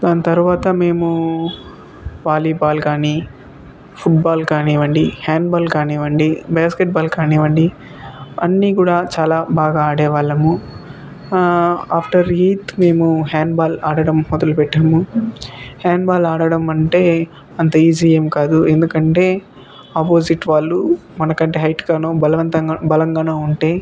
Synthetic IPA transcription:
d̪aːnɐt̪ɐɾuʋaːt̪ɐme̞ːmu | ʋaːliːbaːlkaːniː | pʰuʈ̚baːlkaːniːʋɐɳɖihaːɳɖbaːlkaːniːʋɐɳɖibaːskeʈ̚baːlkaːniːʋɐɳɖi | ɐnːiːkuːɽaːt͡ʃaːlaːbaːɡaaːɽɛːʋaːɭːɐmu | aːpʰʈɐɾɦiːt̪me̞ːmuɦaːɳɖbaːlaːɽɐɽɐmmɔd̪ɐlupɛʈːɐɐmu | haːɳɖbaːlaːɽɐɽɐmɐɳʈe̞ː | ɐnt̪ɐiːd͡ʒiːjemkaːd̪ue̞nd̪ukɐɳʈe̞ː | aːpoːsiʈːʋaːɭːumɐnɐkɐɳʈeːɦɐjʈkaːnoːbɐlɐʋɐnt̪ɐbɐlɐŋɡaːnoːuɳʈe̞ː

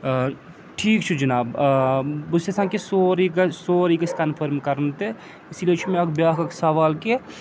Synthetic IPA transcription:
ʈʰiːkt͡ʃʰid͡ʒɐnaːb | bʊsesãkesoːɾiɡsoːɾikɐskɐnpʰəɾmkɐɾnt̪e | ɪsliet͡ʃʰimẽɐkbjaːkɐksɐʋaːlke

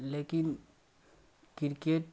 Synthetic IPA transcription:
leːkɪn | kɪɾkeːʈ

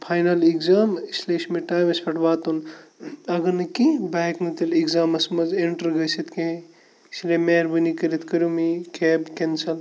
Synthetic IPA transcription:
pʰaːjnɐliɡzaːmisleʃmeʈaːʋɐsfʰɐʈʋaːt̪un | ɐɡɐnɐkibaːknɐt̪iliɡzaːmɐsmɐzeɳʈɐɾɡɐsit̪kẽɦ | islemeːɾbɨnikɐɾit̪kɐɾjumikeːbkensɐl

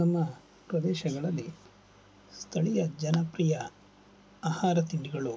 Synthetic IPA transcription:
nɐmːɐ | pɾɐd̪ɛːʃɐɡɐɭɐlːi | st̪ʰɐɭijɐd͡ʒɐnɐpɾijɐ | aːhaːɾɐt̪iɳɖiɡɐɭu

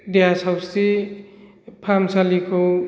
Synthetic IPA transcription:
dejasʰawste | pʰamsalikʰo

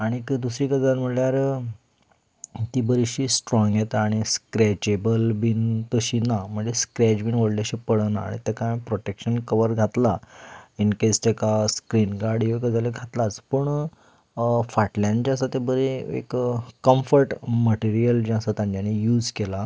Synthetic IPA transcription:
aɽ̃ikəd̪usɾiːkəd͡zalm̤əljaɾ | t̪ibəɾiɕiːsʈɾɔ̃ŋɡjet̪aɽ̃iskɾɛt͡ɕebəlbint̪əɕiːnam̤əɳd͡zeskɾɛt͡ɕbinʋoɽlaɕipəɽnaa̰ɽ̃it̪ɛkãjpɾoʈekɕənkəʋəɾɡʱat̪lainket͡st̪ekaskɾinɡaɾɽjokəd͡zaleɡʱat̪lat͡spəɳ | faʈljãɲt͡ɕasat̪ebəɾiḛkkːəmfəɾʈməʈiɾijəld͡ʑãsat̪ãɲd͡ʑjanejuːd͡zkela

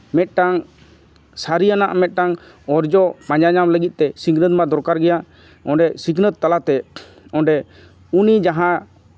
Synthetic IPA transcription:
mɛt̪̚ʈaŋ | saɾijanaʔmɛt̪̚ˀʈaŋ | ɔɾd͡ʒɔpãɲd͡ʒaɲamləɡit̪̚ˀt̪ɛsiɡnət̪̚mad̪ɔɾkaɾɡɛja | ɔ̃ɖɛsiɡnət̪̚t̪ːalat̪ɛ | ɔ̃ɖɛ | unid͡ʒaɦã

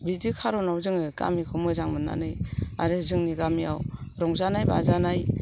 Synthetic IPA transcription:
bidikʰaɾɔnawzɯŋɯɡa̰mikʰɯmɯzaŋmɯna̰nɯja̰ɾezɯŋniɡamiawɾɔŋzanajba̰zanaj

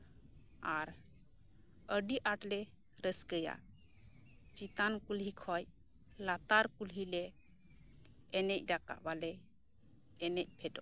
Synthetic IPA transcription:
aɾ | əɖiʔaʈlɛ | ɾəskəja̰ | t͡ʃit̪ankulɦikʰɔj | lat̪aɾkulɦilɛ | nɛc̚ˀɖaka̰ʔbalɛː | nɛc̚ˀpʰɛʈɔ

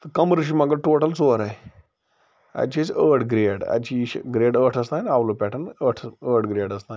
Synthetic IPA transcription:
t̪ɐkɐmɾɨʃ̬imɐɡɐʈoːʈɐlt͡soːɾaj | ɐ̰t͡ʃʰisəːʈʰɡɾeːɖɐ̰t͡ʃʰiːʃɡɾeːɖəːʈʰɐst̪aːnaːʋloːpʲɛːʈʰɐnəːʈʰəːʈɡɾeːɖɐst̪aːn

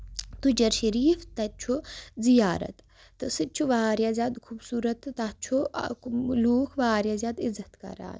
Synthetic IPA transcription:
t̪ud͡ʒɐɾʃɐɾiːft̪ɐt͡ʃʰuzijaːɾɐ̰t̪ː | ɨsɨt͡ʃʰuʋaːɾjaːzʲjaːd̪kʰuːbsuːɾɐt̪ːɐt͡ʃʰṵ | luːkʰʋaːɾjaːzjaːd̪izɐt̪kɐ̰ɾa̰ːn

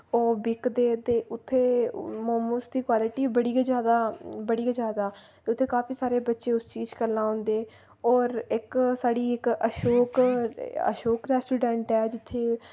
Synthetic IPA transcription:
oːbɪkd̪eːt̪eːʊt̪ʰːeːmɔməsd̪iːkwaːlɪʈiːbəɽiːd͡ʒjaːd̪aːbəɽiːad͡ʒjaːd̪aːt̪eːʊt̪ʰːeːkaːpʰiːsaːɾeːbətːʃeːʊst͡ʃiːd͡ʒkəɾnãːɦʊ̃ːnd̪eː | ɔːɾɪksaːɽiːɪkəʃoːk | ə̰ʃoːkɾɛːsʈuːɖɛ̃ːɳʈɛːd͡ʒɪt̪ʰːeː

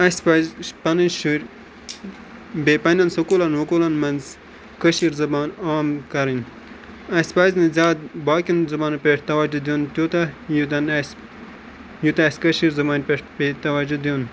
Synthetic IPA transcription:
ɐspazpɐniʃuɾʲ | beːpɐnʲɐnsukulɐnɦukulɐnmɐnz | kəʃiɾzɐbaːnaːmkɐɾin | ɐspaznizʲaːd̪̚baːkʲinzɐbaːnpeʈt̪ɐwɐd͡ʒud̪joːnt̪ʲjuːt̪ɐjud̪ɐns | jut̪ɐɐskɐʃiɾzɐbaːnpeʈpet̪ɐwɐd͡ʒud̪ijun

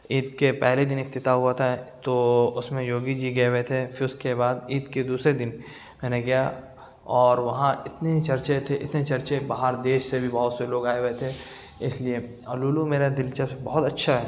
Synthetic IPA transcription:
iːt̪̚kepɛɦled̪ɪnɪkt̪ɪt̪aɦuat̪ʰaɦɛt̪oʊsmẽjoːɡid͡ʒiɡɐewet̪ʰefʰɪɾʊskebaːd̪iːt̪ked̪uːsɾed̪ɪn | mɛːneɡɐja | ɔːɾʋɐɦãɪt̪net͡ʃɐɾt͡ʃet̪ʰeʔɪ̰t̪net͡ʃɐɾt͡ʃebaːɦaɾd̪eːʃsebʱibɐɦʊt̪seloːɡaːeʋet̪ʰe | ɪslie | ɐluːlumeːɾad̪ɪlt͡ʃasebɔɦʊt̪ɐtːʃʰaɦɛː

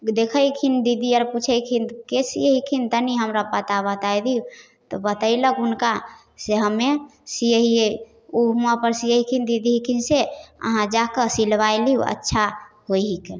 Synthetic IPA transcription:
d̪ekʰəjkʰind̪id̪ʱiəɾput͡ʃʰəjkʰinkesijəɦikʰint̪əniɦəmɾapət̪abət̪ajd̪iu | t̪ɔbət̪əiləkunka | seɦəmːesijəɦie | umapəɾsijəɦikʰind̪id̪iɦikʰinseə̰ɦãd͡ʒakəsilʋajliṵə̰tːʃʰahojɦik

